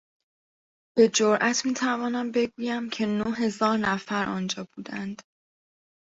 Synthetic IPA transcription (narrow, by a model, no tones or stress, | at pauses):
b̥e̞d͡ʒoɾʔæt̪ʰmiːt̪ʰævɒːnæmbe̞ɡuːjæmcʰe̞noɦe̞zɒːɾnæfæɾʔɒ̰ːnd͡ʒɒːb̥uːd̪ænd̪̥